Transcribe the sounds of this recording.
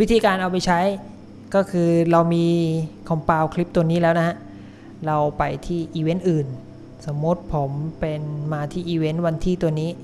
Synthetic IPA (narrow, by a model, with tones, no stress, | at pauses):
wi˦˥t̪ʰiː˧kaː˧nʔa˧wpa˧jt͡ɕʰa˦˥j | kɔː˥˩kʰɯː˧ɾa˧wmiː˧kʰɔ˧˩mpaː˧wkʰli˦˥p̚t̪u˧əniː˦˥lɛː˦˥wna˦˥hʰa˦˥ʔ | ɾa˧wpa˧jt̪ʰiː˥˩ʔiː˧we˦˥nʔɯː˨˩n | sa˩˦mːu˦˥t̪̚pʰo˩˦mpe˧nmaː˧t̪ʰiː˥˩ʔiː˧we˦˥nwa˧nt̪ʰiː˥˩t̪u˧əniː˦˥